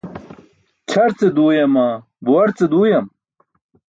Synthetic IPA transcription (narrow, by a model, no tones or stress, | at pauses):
t͡ɕʰɐɾt͡sed̪uːjɐma | buwɐɾt͡sed̪uːjɐm